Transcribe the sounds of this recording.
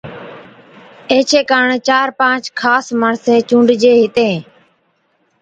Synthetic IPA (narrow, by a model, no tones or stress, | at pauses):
eːt͡ʃʰeːkaːɳt͡ʃaːɾpãːt͡ʃkʰaːsməɳsẽːt͡ʃũːɳɖʱd͡ʒeːɦɪt̪ẽː